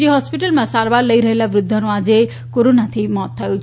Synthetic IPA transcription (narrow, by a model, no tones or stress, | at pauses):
iɦɔspiʈəlmãsaɾbaɾləjɾəɦelaʋɾud̪ʱːɔɾũad͡ze | koɾonat̪ʰimɔt̪ʰːajt͡ʃʰ